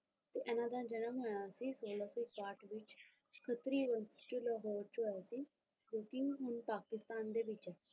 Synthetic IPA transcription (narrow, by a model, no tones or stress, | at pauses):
t̪eːʔenãːd̪ãːd͡ʒəñəmɦojãːsiːsoːlaːsoːɪkpaːʈʋɪt͡ʃ | kʰət̪ɾiːʋə̃ntʈulɔːɦoːɾt͡ʃɦoːjaːsiː | d͡ʒoːkiɦʊnpaːkɪst̪aːnd̪eːbɪt͡ʃɛː